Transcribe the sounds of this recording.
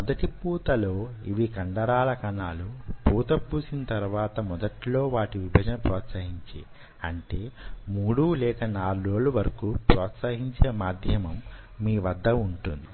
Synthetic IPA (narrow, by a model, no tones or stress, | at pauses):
mɔd̪ɐʈipuːt̪ɐlo̞ːiʋikɐɳɖɐɾaːlɐkɐnaːlupuːt̪ɐbːuːsinɐt̪ɐɾʋaːt̪ɐmɔd̪ɐʈlo̞ːʋaːʈiʋibʱɐd͡ʒɐnɐpɾɔːt̪sɐɦiɲt͡ʃḭ | ɐɳʈe̞ːmuːɽuːlɛːkɐnaːɾoːluʋɐɾɐkuːpɾɔːt̪sɐɦiɲt͡ʃeːmaːd̪ʱjɐmɐmː | iːʋɐd̪ʱːɐuɳʈund̪i